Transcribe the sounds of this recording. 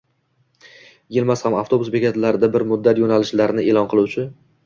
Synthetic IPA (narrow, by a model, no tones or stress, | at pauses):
jɪlmashamaft̪ʰo̞bʊsbekʲat̪laɾɪd̪abɪɾmʊd̪ːat̪jonalɪʃlaɾnɪʔelɒnqʰɨlˠuwt͡ʃʰɪ